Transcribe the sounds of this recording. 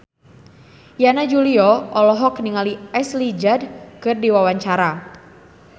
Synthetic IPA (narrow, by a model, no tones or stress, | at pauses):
janad͡ʒuliɔɔlɔɦɔkniŋaliɛslid͡ʒadkɨrdiwawaɲt͡ʃaɾa